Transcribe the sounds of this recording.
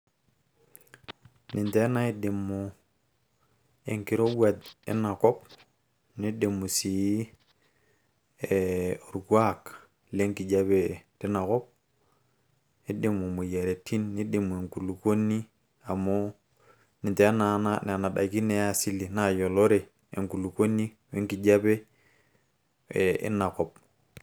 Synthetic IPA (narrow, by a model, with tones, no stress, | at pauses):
ni˨nte˦na˦i˦de˨mːo˨ | ḛ˨ŋki˨ɾo˦wwa˨d̪ḛ˦na˨ko˦p | ni˦de˨mːu˨si˨˦ | e˨o˨ɾu˨kwa˦k | le˦ŋki˨d͡ʒa˦be˨ti˦na˨ko˦p̚ | ni˦de˨mu˨mu˨je˨ɾe˨tʰi˦nːi˦de˨mu˨e˨ŋku˨lu˨ko˦ni˦ | a˨mo˦ | ni˨te˨˦a˦na˨na˦n˨a˨na˨ɗa̰˨ki˦ne˦ja˦si˦li˨na˦jo˨lo˦ɾe˨ | ḛ˨ŋku˨lu˨ko˦nːi˦ | we˦ŋki˨ɟa˦be˦ | e˨ḭ˦na˨ko˨p̚